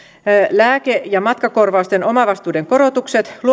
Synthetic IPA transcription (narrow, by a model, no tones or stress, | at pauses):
læːkejɑmɑt̪kɑko̞rʋɑust̪eno̞mɑʋɑst̪uːdeŋko̞ɾot̪ukset̪lu